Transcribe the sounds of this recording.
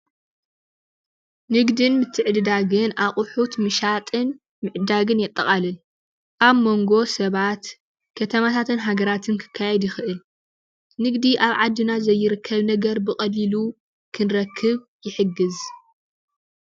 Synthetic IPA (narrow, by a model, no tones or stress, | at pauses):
nɨɡd̪ɨnmɨt̪ʰːɨʕɨd̪ɨd̪aɡɨnʔaχʼʊħut̪mɨʃat̪ʼɨn | mɨʕd̪aɡɨnjɛt̪ʼːɐχʼalɨn | ʔaβmo̞ŋɡo̞sɐβat̪ | kʰɐt̪ʰɐmat̪ʰat̪ɨnɦaɡɐɾat̪ʰɨnkʰɨ̥kʰːajɛd̪jɪxɨʔɨl | nɨɡd̪iʔaβʕad̪ːɨnazɐjːɪɾɨkʰːɐβnɐɡɐɾbɨχʼɐlilu | kʰɨnɾɐkʰːɨβ | jɪħɨɡːɨz